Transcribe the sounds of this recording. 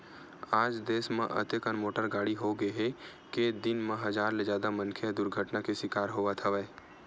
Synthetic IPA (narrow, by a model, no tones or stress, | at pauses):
aːd͡ʒd̪eːsmḛ̃ʔə̰t̪ekənmoːʈəɾɡaːɽiɦoɡəɦɛ | ked̪ɪnmẽɦɐzaːɾled͡ʒjaːd̪amɐ̃nkʰed̪ʊɾɡʱəʈnakeʃɪkaːɾɦoːʋat̪ʰɐʋɛː